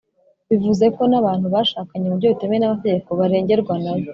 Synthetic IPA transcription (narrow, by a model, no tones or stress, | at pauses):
βivuze̞ko̞naβaːn̥huβaːʃaːkaɲemubɟoute̞mejenamate̞ɟe̞ko̞βaɾe̞ːɲɟe̞ɾɡwanaβo